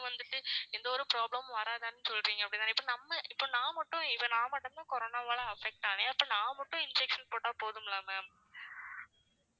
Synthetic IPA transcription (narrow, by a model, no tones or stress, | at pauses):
ʋɐnd̪ɯʈːɯɛnd̪ɐɔɾɯpɾaːblɐmʋɐɾaːðaːnːɯsɔlɾiːŋɡɐpːɐɽɪt̪ːãːɪpːonɐmːɐʔɪpːoːnãːmɐʈːʊ̃ɪʋɐnãːmɐʈːɯt̪ãːkɔɾoːnaːʋaːɭɐɐfɛk̚ʈːaːneɐpːɐnãːmɐʈːʊ̃ɪnd͡ʒɛkʂɐnpoːʈːaːpoːðɯmlaːmɐ